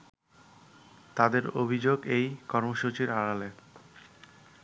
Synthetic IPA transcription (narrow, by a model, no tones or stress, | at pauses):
t̪ad̪eɾo̰bʱid͡ʑoɡejkɔɾmoʃut͡ɕiɾaɽale